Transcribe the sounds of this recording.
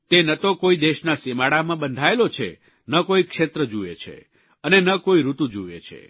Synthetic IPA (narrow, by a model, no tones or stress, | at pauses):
t̪enət̪okoid̪eʃnasemaɽamãbənd̪ʱaelot͡ʃʰḛ | nəkoikʃet̪ɾəd͡ʒuḛt͡ʃʰḛ | ənenəkoiɾut̪ud͡ʒuḛt͡ʃʰḛ